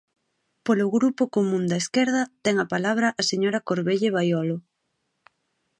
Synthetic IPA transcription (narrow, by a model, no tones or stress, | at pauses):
polʊɣɾupʊkomũnd̪ɐeskɛɾðɐt̪ɛŋapalaβɾɐʔaseɲoɾɐkoɾβeʎeβ̞ajɔlʊ